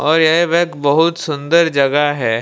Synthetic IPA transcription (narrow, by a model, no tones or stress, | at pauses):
ɔːɾjeʋɛkbɐɦʊt̪sʊ̃nd̪əɾd͡ʒɐɡaɦɛː